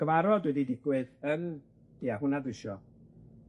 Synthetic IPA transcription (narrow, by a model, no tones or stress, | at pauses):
əvaɾɔdwɛdidɪɡwɛðən̥ | iaɦʊnadɪʃɔ